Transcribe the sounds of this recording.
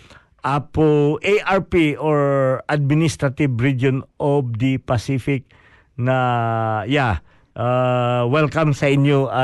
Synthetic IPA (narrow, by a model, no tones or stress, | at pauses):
ʔapoʔejʔaɹpiʔoɹʔad̪̚mɪnist̪ɾɐt̪ɪbɹid͡ʒonʔob̚d̪ipɐsifɪk̚ | nɐja | ʔawɛlkɐmsɐɪɲjoʔa